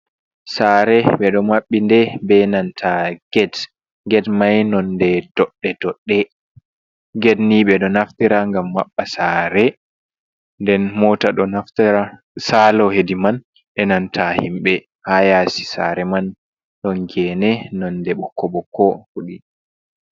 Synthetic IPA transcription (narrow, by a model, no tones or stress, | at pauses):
saɾɛɓɛɗɔmaɓːindɛbɛnantʰaɡ̥ɛd | ɡɛdmajnɔndɛdɔɗːɛdɔɗːɛ | ɡedniɓɛɗɔnaftiɾaŋɡamːaɓːasaːɾɛ | ndɛnmɔtaɗɔnafta | salɔhediman | ʔɛnantʰahimɓɛ | hajasi̥sa̰ɾɛman | ɗɔŋɡɛnɛnɔndɛɓɔkːɔɓɔkʰɔfuɗi